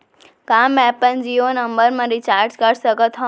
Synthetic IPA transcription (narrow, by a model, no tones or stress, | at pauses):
kãːmːɛːpənd͡ʒioːnɐmbəɾmãɾit͡ʃaːɾd͡ʒkəɾsəkət̪ʰɦɔ̃